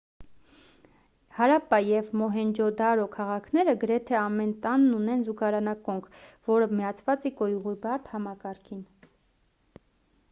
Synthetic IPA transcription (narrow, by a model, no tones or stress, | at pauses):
hɑɾɑpɑjɛvmɔɦɛnd͡ʒɔd̪ɑɾɔkʰɑʁɑkʰnɛɾəɡəɾɛt̪ʰɛɑmɛnt̪ɑnːunɛnzuɡɑɾɑnɑkɔŋkʰvɔɾəmijɑt͡sʰvɑt͡sikɔjuʁibɑɾt̪ʰhɑmɑkɑɾkʰin